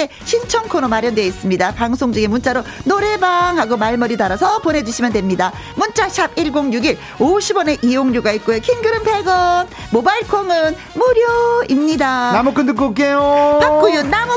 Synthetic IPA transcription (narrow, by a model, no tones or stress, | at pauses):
e | ɕʰint͡ɕʰʌŋkʰoɾomaɾjʌndwe̞is͈ɯmɲidapaŋsʰoŋd͡ʑɯɡemunt͡ɕ͈aɾonoɾe̞baŋɦaɡomaɭmʌɾidaɾasʰʌpone̞d͡ʑuɕʰimjʌndwe̞mɲida | munt͡ɕ͈aɕʰabiɭɡoŋɲuɡiɾ | oɕʰibʌne̞ʔijoŋɲuɡait̚k͈ojokʰinɡɯɾɯnpʰe̞ɡʌn | mobaiɭkʰoŋɯn | muɾjoimɲidanamokʰɯndɯk͈ok͈ejotʰak͈ujonamo